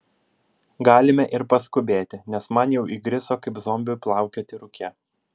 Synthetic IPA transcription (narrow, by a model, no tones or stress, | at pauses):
ɡɑːlʲɪmʲɛʔɪɾpɐskʊbʲeːt̪ʲɪnʲɛsmɐnjɛʊʔiːɡɾʲɪsoːkɐɪpzɔːmʲbʲʊplˠɑˑʊkʲoːt̪ʲɪɾʊkʲʰɛ